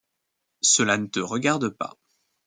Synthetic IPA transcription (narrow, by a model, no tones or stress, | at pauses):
səlanət̪əʁəɡaʁd̪əpa̰